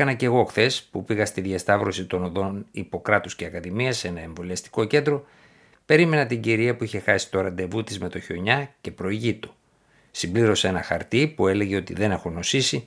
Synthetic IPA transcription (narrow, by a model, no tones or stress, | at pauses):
ɐnɐce̞ɣo̞xθe̞spupiɣɐst̪iðʝɐst̪ɐvɾo̞sit̪o̞noðo̞nipo̞kɾɐt̪usceɐkɐðimiɐse̞nɐe̞ɱvo̞liɐst̪i̥ko̞ce̞nd̪ɾo̞ | pe̞ɾime̞nɐt̪iɲɟiɾiɐpuiçe̞xɐsi̥t̪o̞ɾɐnd̪e̞vut̪izme̞t̪o̞ço̞ɲɐce̞pɾo̞iʝit̪o̥ | simbliɾo̞se̞nɐxɐ̰ɾt̪ipue̞le̞ʝe̞o̞t̪iðe̞ne̞xo̞no̞sisi